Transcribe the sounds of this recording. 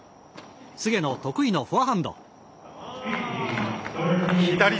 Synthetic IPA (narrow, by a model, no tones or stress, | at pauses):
sɨɡe̞no̞t̪o̞kɯ̟ino̞ɸɯ̟aɦãnd̪o̰ | it̪aɾʲi